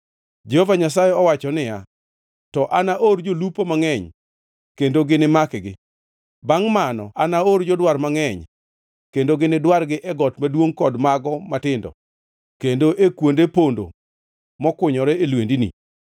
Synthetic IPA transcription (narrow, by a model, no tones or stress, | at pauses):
d͡ʒehovaɲas̬ajɛɔwat͡ʃɔnɪja | tɔʔanaʔord͡ʒolupomaŋɛɲ | kendoɡɪnɪmakɪɡɪ | baŋmanɔ̰ʔanaord͡ʒɔdwarmaŋɛɲ | kendoɡɪnɪdwarɡɪʔɛɡɔtmadwoŋkɔdmaɡɔmatɪndɔ̰ | kendoʔekwondepondo̰ | mɔkʊɲɔɾɛelwendinḭ